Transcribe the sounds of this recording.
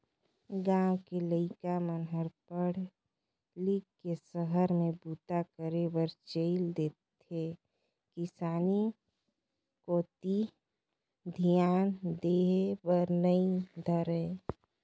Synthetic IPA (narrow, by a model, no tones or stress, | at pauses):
ɡãːwkeləɪkamənɦəɾpəɽ | likkːesəɦəɾmẽbuːt̪akəɾebəɾt͡ʃəɪld̪eːt̪ʰ | e | kɪsaːni | koːt̪i | d̪ʱijaːnd̪eɦebəɾnəĩd̪ʱəɾe